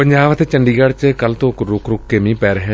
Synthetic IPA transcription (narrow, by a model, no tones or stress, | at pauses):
pəɲd͡ʒaːʋət̪eːt͡ʃəɳɖiːɡaɽt͡ʃkəlt̪õːkɾʊkɾʊkːemĩːpɛːɾɦɛː